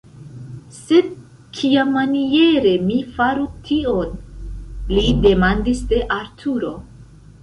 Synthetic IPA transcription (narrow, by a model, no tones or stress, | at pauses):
se̞d̚ | kʰiamːanie̞ɾe̞mifaɾutʰio̞n | lide̞mandisde̞ʔaɾtʰuɾo̞